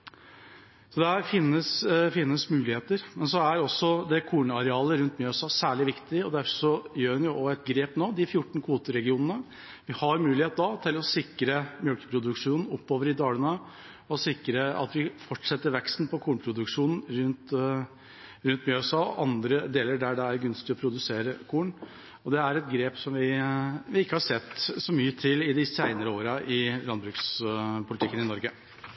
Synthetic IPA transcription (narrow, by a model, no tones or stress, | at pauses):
sɔd̪ɛæɾfɪnːəsfɪnːəsmʉːlɪheːt̪əɾmɛnsɔæɾɔsːɔd̪ɛkʰuːnəɑɾɛɑːləɾʉnt̪mjøːsɑːsæːɭɪʋɪkt̪ɪɔd̪æɾfɔʂɔjøːɾɛnjʊɔɛt̪ɡɾeːpnoːd̪ɪfjʊʈːɳ̩kʰʋuːt̪əɾɛɡɪuːnənə | ʋɪhɑɾmʉːlɪheːt̪̚d̪ɑt̪ʰɪlɔsɪkɾəmjœlkə̥pʰɾʊd̪ʉkʂuːnn̩ɔpːoːʋəɾɪd̪ɑːɽənə | ɔsɪkːɾəɑ̰t̪ʋɪfɔʈʂɛt̪ːəɾʋɛkst̪n̩pʰɔkʰuːɳpʰɾʊd̪ʉkʂuːnn̩ɾʉnt̪ | ɾʉnt̪mjøsɑ̰ːʔɑnd̪ɾəd̪eːləɾɖæɖɛæɾɡʉnst̪ɪɔpʰɾʊd̪ʉseːɾəkʰuːɳ | ɔd̪ɛæɾɛt̪̚ɡɾeːpsɔmʋɪʋɪɪkːəhɑʂɛt̪ːsɔmyːət̪ʰɪlɪd̪ɪsæɪnəɾəoːɾəʔɪlɑnbɾʉkspʰʊlɪt̪ɪkːənɪnɔɾɡə